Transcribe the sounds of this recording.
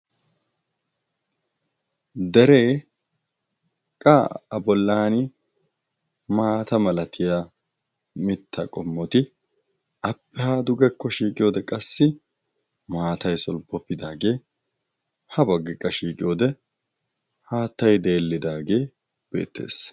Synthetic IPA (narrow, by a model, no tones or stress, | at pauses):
d̪ɛɾe̞ː | kʼaɐbɔlːaːnɪ | maːt̪ɐmɐlɐt̪ʰɪja | mɪt̪ːɐkʼɔmːɔt̪ɪ | ʔɐpːɛhaːd̪ʊɡɛkːɔʃiːkʼɪjoːd̪ɛkʼɐsːɪ | maːt̪ɐjsɔlbɔpːɪd̪aːɡe̞ː | hɐbɐɡːɪkʼːɐʃiːkʼɪjoːd̪ɛ | haːt̪ːɐjd̪e̞ːlːɪd̪aːɡe̞ː | b̥e̞̰ːt̪ːe̞̰ːs